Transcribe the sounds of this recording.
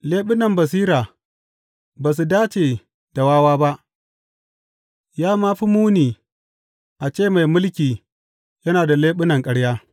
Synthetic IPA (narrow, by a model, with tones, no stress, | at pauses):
leː˦ɓɪ˦nɐ˨mbɐ˨s̬iː˦ɾaː˨ | baː˨s̬u˨daː˦t͡ʃeː˨ | d̥a˨waː˦waː˦ba˦ʔ | jaː˦maː˦ɸi˦muː˦niː˨ | ʔa˨t͡ʃeː˦˨ma˨jmʊ˦lkʲiː˨ | jɐ˦naː˨da˨leː˦ɓɪ˦nɐ˨ŋkʼɐ˦ɽjaː˦